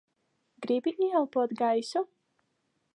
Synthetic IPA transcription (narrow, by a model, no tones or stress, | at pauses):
ɡɾibinialpɔd̪ɡaisɔ